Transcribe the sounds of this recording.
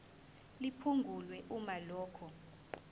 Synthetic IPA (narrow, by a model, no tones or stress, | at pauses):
lipʰuŋɡʱulwɛʔumalɔːkʰɔ